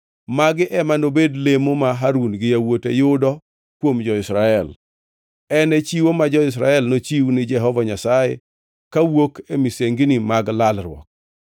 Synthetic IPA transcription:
maɡɪʔɛmanobedlemomaɦaɾunɡɪjawotejʊdɔ | kwomd͡ʒɔɪsɾaɛl | ɛnɛt͡ʃiwomad͡ʒɔɪs̬ɾaɛlnot͡ʃiwnɪd͡ʒɛɦɔvaɲasaje | kawokemiseŋɡnɪmaɡlalɾwɔ̰k̚

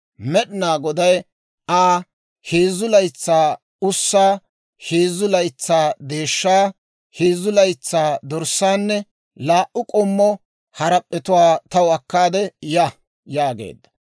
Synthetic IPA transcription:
mɛɗnaːɡɔd̪ɐj | ʔaː | heːzʊlɐjt͡sːaː | ʊsːaː | heːzʊlɐjt͡sːaːd̪e̞ːʃːaː | heːzʊlɐjt͡sːaːd̪ɔɾsːaːnːɛ | laːʔʊkʼɔmːɔ | hɐɾɐpʼːɛt̪ʊwaːt̪ɐwɐkːaːd̪ɛja | jaːɡḛːd̪ːɐ̥

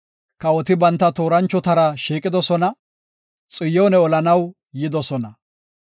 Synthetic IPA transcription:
kɐwɔt̪ɪbɐnt̪ːɐt̪oːɾɐnt͡ʃːɔt̪ɐɾɐʃiːkʼɪd̪ɔsɔnɐ | t͡sʼɪjɔːnɛɔlɐnɐw | jɪd̪ɔsɔnɐ

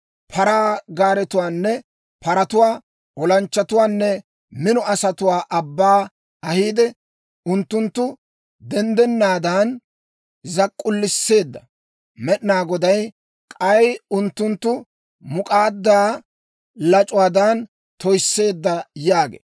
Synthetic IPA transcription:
pʰɐɾaːɡaːɾɛt̪ʊwaːnːɛ | pɐɾɐt̪ʊwaː | ɔlɐnt͡ʃːɐt̪ʊwaːnːɛ | mɪnɔɐsɐt̪ʊwaːʔɐbːaː | ɐhiːd̪ɛ | ʊnt̪ːʊnt̪ːʊ | d̪ɛnd̪ɛnːaːd̪aːn | zɐkʼːʊlːɪsːe̞ːd̪ːɐ | mɛɗnaːɡɔd̪ɐj | kʼɐjʊnt̪ːʊnt̪ːʊ | mʊkʼaːd̪ːaː | lɐt͡ʃʼʊwaːd̪an | t̪ɔjsːe̞ːd̪ːɐjaːɡḛː

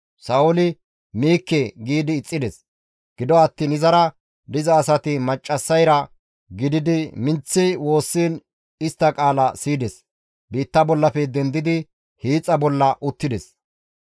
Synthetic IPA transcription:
sɐʊlɪ | miːkːɛɡiːd̪ɪːt͡sʼːɪd̪ɛs | ɡ̥ɪd̪ɔɐt̪ːiːnɪzɐɾɐ | d̪ɪzɐːsɐt̪ɪmɐt͡ʃʼːɐsːɐjɾɐ | ɡɪd̪ɪd̪ɪmɪnt͡sːɪwo̞ːsːiːn | ɪst̪ːɐkʼaːlɐsiːd̪ɛs | biːt̪ːɐbɔlːɐfɛd̪ɛnd̪ɪd̪ɪ | hiːt͡sʼːɐbɔlːɐʔʊt̪ːɪd̪ɛs

